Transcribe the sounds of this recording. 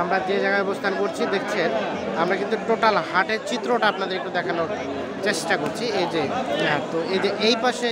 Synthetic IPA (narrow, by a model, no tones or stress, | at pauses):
amɾad͡ʑed͡ʑaɡaɔbost̪ʰankoɾt͡ɕʰid̪ekʰt͡ɕʰen | amɾakint̪uʈoʈalɦaʈeɾt͡ɕit̪ːɾoʈaapnad̪eɾek̚ʈud̪ɛkʰanoɾ | t͡ɕeʃʈakoɾt͡ɕʰied͡ʑet̪oed͡ʑeʔejpaʃe